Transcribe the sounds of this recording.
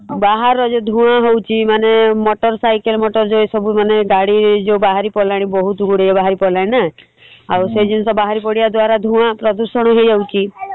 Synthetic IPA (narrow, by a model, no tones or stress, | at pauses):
baɦaɾɔd͡ʒɔd̪ʱũaɦowt͡ʃʰimanemɔʈɔɾsajkelmɔʈɔɾd͡ʒoesɔbumaneɡaɽiɾed͡ʒebaɦaɾipɔlaɽ̃ibɔɦut̪uɡuɽejɔbaɦaɾipɔlaɽ̃ina | awsed͡ʒinsɔbaɦaɾipɔɽiad̪waɾad̪ʱũãpɾɔd̪uɾsɔɽ̃ɔɦed͡ʒawt͡ʃʰi